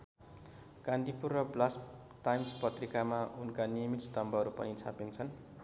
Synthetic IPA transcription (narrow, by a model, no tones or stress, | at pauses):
ɡ̥and̪ʱipurːʌblas | t̪ajmspʌt̪rikamaʔunkanijʌmit̪st̪ʌmbʌʌɾupʌ̰nit͡sʰapint͡sʰʌn